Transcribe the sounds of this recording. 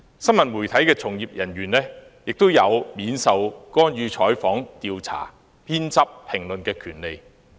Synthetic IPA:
sɐ˥nmɐ˨˩nmuː˨˩jt̪ʰɐ˨˥jkɛː˧t͡sʰʊ˨˩ŋjiː˨p̚jɐ˨˩nɥyː˨˩nlɛː˥ | jɪ˨k̚t̪o˥wjɐ˨˧wmiː˨˥nsɐ˨˧wkɔː˥njyː˨˧t͡ʃʰɔː˨˥jfɔː˨˥ŋt̪iː˧wt͡sʰa̰ː˨˩ | pʰiː˥nt͡sɐ˥p̚pʰɪ˨˩ŋlɵ˨nkɛː˧kʰyː˨˩nle˨j

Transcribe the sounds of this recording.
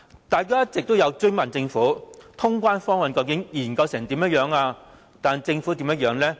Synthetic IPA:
t̪aː˨jkaː˥jɐ˥t̚t͡sɪ˨k̚t̪o˥wjɐ˨˧wt͡ʃɵ˥ŋmɐ˨˩nt͡sɪ˧ŋfuː˨˥t̪ʰʊ˥ŋkʷwaː˥nfɔː˥ŋwɐ˨nkɐ˧wkɪ˨˥ŋjiː˨˩nkɐ˧wsɛː˨˩ŋt̪iː˨˥mjɐ˥jœː˨˧ŋaː˧ | t̪aː˨nt͡sɪ˧ŋfuː˨˥t̪i˨˧˥mjɐ˥t̚jœː˨˧ŋlɛː˥

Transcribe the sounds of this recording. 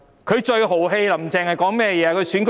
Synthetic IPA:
kʰɵ˨˧ɥt͡ʃɵ˧ɥɦo˨˩wɦe˧jlɐ˨˩m̩˨˩t͡sɛː˨˧ŋhɐ˨jkɔː˨˥ŋmɛː˥˩jɛː˨˧a˧kʰɵ˧ɥsyː˨˥nk

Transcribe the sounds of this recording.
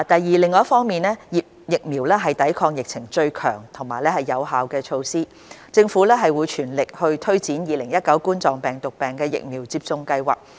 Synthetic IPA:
t̪ɐ˨jːiː˨lɪ˨ŋːɔː˨˦jfɔː˥ŋmiː˨˩nɛː˥jiː˨p̚jɪ˨k̚miː˨˩wlɛː˥ɦɐ˨jt̪ɐ˨˥jkʰɔː˧k̚jɪ˨k̚t͡sʰɪ˨˩ŋt͡ʃɵ˧ɥkʰœ̰ː˨˩ŋt̪ʰʊ˨˩ŋmaː˨˩jlɛː˥hɐ˨˩jːɐ˨˧wɦaː˨wkɛː˧t͡ʃʰo˧wsiː˥ | t͡sɪ˧ŋfuː˨˥lɛː˥ɦɐ˨jwuː˨˧jt͡ʃʰyː˨˩nlɪ˨k̚hɵ˧ɥt̪ʰɵ˥ɥt͡siː˨˥njiː˨˧lɪ˨˩ŋjɐ˥t̚kɐ˨˥wkuː˥nt͡sɔː˨˩ŋpɛː˨ŋt̪ʊ˨k̚pɛː˨ŋkɛː˧jɪ̰˨k̚miː˨˩wt͡siː˧p̚t͡sʊ˧ŋkɐ˧jwa̰ː˨k̚

